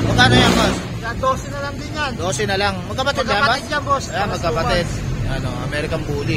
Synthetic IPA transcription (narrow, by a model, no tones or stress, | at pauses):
mɐɡaːnojaŋbos | jad̪oːsɛnɐlɐŋd̪ɪnand̪oːsɛnɐlaŋmɐɡkɐpɐt̪ɪd̪laːbad̪jɐŋbosamɐɡ̚kːɐpɐt̪ɪd̪̚ɐnoɐ̰mɛɾɪkɐmbuːlɪ